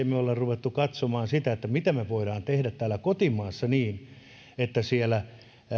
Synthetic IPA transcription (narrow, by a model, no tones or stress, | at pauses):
emeolːerruʋet̪ːukɑt̪somɑːnsit̪æet̪ːæmit̪æmeʋoiɾɑːnt̪ehdæt̪tːæːlækot̪imɑːsːɑniːn | et̪ːæsielæ